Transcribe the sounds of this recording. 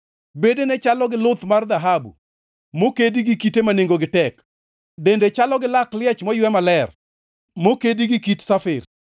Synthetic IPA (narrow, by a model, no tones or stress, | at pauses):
bedenɛt͡ʃalɔɡɪlʊt̪mard̪aɦabṵ | mokediɡikitemaneŋɡoɡɪtɛk | dendet͡ʃalɔɡɪlaklɪɛt͡ʃmɔjwɛmalɛr | mokediɡikitsafɪr